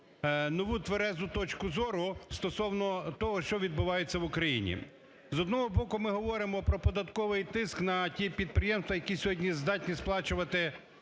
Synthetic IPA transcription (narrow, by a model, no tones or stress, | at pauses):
nɔʋut̪ʋeɾɛzʊt̪ɔt͡ʃkʊzɔɾʊst̪ɔsɔwnɔt̪ɔɦɔʃt͡ʃɔʋʲid̪bʊʋɑjet͡sʲːɐʋʊkɾɐjḭnʲḭ | zɔd̪nɔɦɔbɔkʊmɪɦɔʋɔɾɪmɔpɾɔpɔd̪ɐt̪kɔʋɪjt̪ɪsknɐtʲipʲid̪̚pɾɪjemst̪ʋɐjɐkʲisʲɔɦɔdʲnʲizd̪ɑtʲnʲisplˠɑt͡ʃʊʋɐt̪ɪ